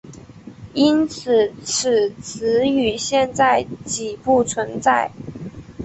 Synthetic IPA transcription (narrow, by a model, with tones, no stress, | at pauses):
i˥nt͡s̩ʰ˨˩ʈ͡ʂ̩ʰ˨˩t͡s̩ʰ˧˥y˨˩ɕjɛ˥˧nt͡sa˥˩ɪt͡ɕi˨˩pu˥˩t͡sʰwə˧˥nt͡sa˥˩ɪ